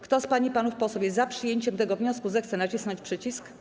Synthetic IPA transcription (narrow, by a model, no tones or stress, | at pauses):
kt̪ɔspaɲipanufpɔsɔwʲjɛzapʂɘjeɲt͡ɕɛmt̪ɛɡɔvɲɔskuzɛxt̪sɛnat͡ɕisnɔɲt͡ɕʲpʂɘt͡ɕisk